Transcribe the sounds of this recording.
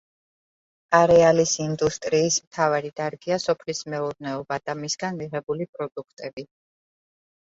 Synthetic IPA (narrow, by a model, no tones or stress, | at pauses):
aɾɛalisind̪ust̪ʼɾiːsmt̪ʰavaɾid̪̥aɾɡiasɔpʰlismɛuɾnɛɔbad̪̥amisɡanmiʁɛbulipʼɾɔd̪ukʰt̪ʼɛbi